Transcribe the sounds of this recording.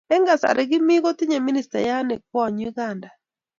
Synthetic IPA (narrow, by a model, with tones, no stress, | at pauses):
ɛ˦ŋɡa˨sa̰˨ɾʔɛ˨ɡɪ˦mi˦ɣo˦ti˦ɲa˨mi˦ni˨sta̰˨ja˦ne˨k̚wɔ˦˨ɲi˦ɡa˨nda˨